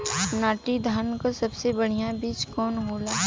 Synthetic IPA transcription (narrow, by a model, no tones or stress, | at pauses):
naːʈid̪ʱaːnkasɐbsebɐɽ̤ijabiːt͡ʃkɔːnɦoːlaː